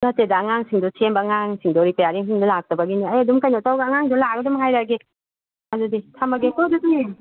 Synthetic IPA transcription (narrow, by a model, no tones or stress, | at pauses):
natedaːŋaŋsiŋdusʰembaːŋaŋsiŋdɔɾipajaɾiŋsiŋdulak̚tɐbɐɡiniajadumkajnatawɡaːŋaŋdulaɡɐdumɦajɾaɡe | aduditʰamaɡekɔdutuŋe